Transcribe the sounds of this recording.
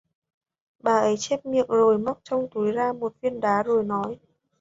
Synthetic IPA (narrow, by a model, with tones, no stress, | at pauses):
ɓaː˨˩ʔə˨˦jt͡ɕɛ˦˥p̚mḭ˧˨əŋzo˨˩jmə˦˥k͡p̚t͡ɕɔ˧wŋ͡mt̪u˨˦jzaː˧mo˨˩t̚fi˧ənɗaː˨˦zo˨˩jnɔ˨˦j